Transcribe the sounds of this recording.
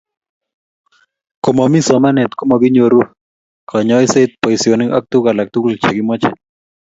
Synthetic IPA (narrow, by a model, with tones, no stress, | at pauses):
ko˨mɔ˨mi˦sɔ˨ma˦nɛ˨t̪ko˦mɔ˨ɡɪ˦ɲoɾu˦ | kʰɔ˨ɲɔ˦ɪ˦se˦t̪̚pɔ˨i˨si˨o˨nɪ˦ŋɔ˦k̚t̪u˦ka˨la˨k̚t̪u˦klt͡ʃe˨ɡɪ˦mɔ˦t͡ʃɛ̰˨